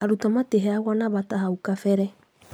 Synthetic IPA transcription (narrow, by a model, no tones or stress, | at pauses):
aɾutɔmateɦɛaɣɔnaβataɦaukafɛɾɛ